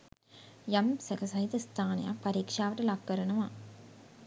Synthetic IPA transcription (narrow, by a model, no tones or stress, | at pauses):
jɐmsɐkɐsɐjd̪ɐst̪ʰaːnɐja̰ːpɐɾiːkʂaːʋɐʈːɯlaːkːɐɾɐnɐʋãː